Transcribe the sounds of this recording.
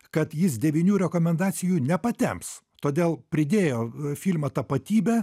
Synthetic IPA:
kɐt̪jɪsd̪ʲɛʋʲɪnʲuːɾʲɛkoːmʲɛnd̪ɑːsʲɪjuːnʲɛpɐt̪ʲɛ̰mps | t̪oːd̪ʲeːlˠpʲɾʲɪd̪ʲeːjoːfʲilʲmɐt̪ɐpɐt̪ʲiːbʲɛ

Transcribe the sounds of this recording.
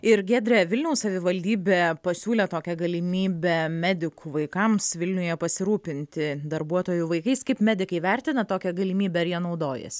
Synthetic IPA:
ɪɾɡʲæːd̪ʲɾʲɛʋʲɪlʲnʲɛʊssɐʋʲɪʋɐlʲd̪ʲiːbʲeːpɐsʲuːlʲɛt̪oːkʲɛɡɐlʲɪmʲiːbʲɛmʲæːd̪ʲɪkuʋɐɪkɐmsʋʲɪlʲnʲʊjɛpɐsʲɪɾuːpʲɪnʲt̪ʲɪd̪ɐɾbuɔt̪oːjuʋɐɪkɐɪskɐɪpmʲæːd̪ʲɪkɐɪʋʲæɾʲt̪ʲɪnɐt̪oːkʲɛɡɐlʲɪmʲiːbʲɛɐɾjiɛnɒʊd̪oːjɛ̰s

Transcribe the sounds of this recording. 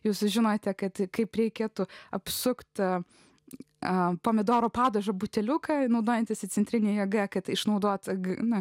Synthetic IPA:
juːsʒʲɪnoːt̪ʲɛkɐt̪kɐɪpɾʲɛɪkʲeːt̪ʊɐpsʊkt̪ | ɐpoːmʲɪd̪oːɾoːpɑːd̪oʒɐbʊt̪ʲɛlʲʊkɐnɐʊd̪oːjɛnʲt̪ʲɪsʲɪt͡s̪ʲɛnʲt̪ʲɾʲɪnʲeːjɛɡɐkɐt̪ɪʃnɐʊd̪oːt̪ɡnʊ

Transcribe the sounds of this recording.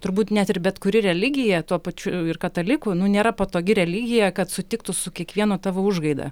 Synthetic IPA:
t̪ʊɾbuːt̪nʲɛt̪ɪrbʲɛt̪kʊɾʲɪɾʲɛlʲɪɡʲɪjɛt̪uɔpɐt͡ʃʲʊɪrkɐt̪ɐlʲɪkʊnʊnʲeːɾɐpoːt̪oːɡʲɪɾʲɛlʲɪɡʲɪjɛkɐt̪sʊt̪ʲɪk̚t̪ʊsʊkʲiɛkʋʲiɛnoːt̪ɑːʋoʊʒɡɐɪd̪ɐ̰

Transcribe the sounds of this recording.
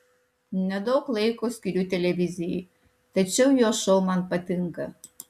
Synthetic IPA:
nəd̪oklˠejkoskʲiɾʲyt̪ʲelʲevʲizi | t̪ət͡ɕəwjoʃolˠmanpət̪ɨŋkə

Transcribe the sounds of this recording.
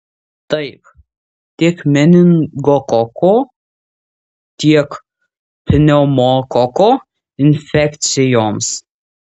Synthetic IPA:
t̪ɐɪp | t̪ʲikmʲɛnʲɪŋɡokɔkoː | t̪ʲiɛk | pʲɪnʲɛmoːkɔkoː | ɪnʲfʲɛkt̪sʲɪjoːms

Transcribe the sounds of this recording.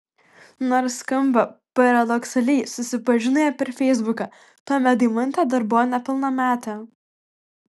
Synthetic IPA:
nɔɾskɐmbɐpɐɾɐd̪ɔksɐlʲɛɪsʊsʲɪpɐʒʲɪnʊjɛpʲɛɾfʲɛɪzbʊkɐ | t̪oːmʲɛt̪̚d̪ʲɪmʊnʲt̪ʲɛːd̪ɐɾbʊonʲɛpʲɪlˠnɐmʲæːt̪ʲɐ

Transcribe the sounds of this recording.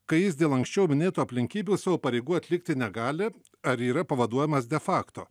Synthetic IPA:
kɐɪjɪsd̪ʲeːlˠɐŋksʲt͡ʃʲɛʊmʲɪnʲeːt̪uːɐpʲlʲɪŋʲkʲiːbʲuːsɐʋoːpɐɾʲɛɪɡuːɐt̪ʲlʲɪkt̪ʲɪnʲɛɡɑːlʲɪ | ɐɾiːɾɐpɐʋɐd̪uɔjɛmɐsd̪ʲɛfɑːkt̪oː

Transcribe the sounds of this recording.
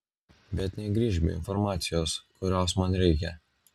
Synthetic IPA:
bʲɛt̪nʲɛɡɾʲiːʒʲbʲɪ̰ɪ̰nfɔɾmɑːt̪sʲɪjoːskʊɾʲoːsmɐnɾʲɛɪkʲɛ

